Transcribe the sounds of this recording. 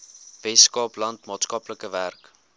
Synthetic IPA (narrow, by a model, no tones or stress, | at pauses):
vɛskɑːplɐntmɑːtskɑpləkəværk